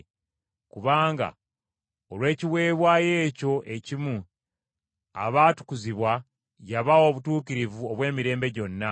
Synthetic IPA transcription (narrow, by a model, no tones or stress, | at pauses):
kuβaːŋɡa̰ | olwe̞ːciwe̞ːβwaːje̞ːco̞ʔe̞cimu | a̰βaːtu̥kuziβwa | jaβao̞ːβutuːkiɾivuoβwe̞ːmiɾe̞ːmbe̞ɟo̞nːa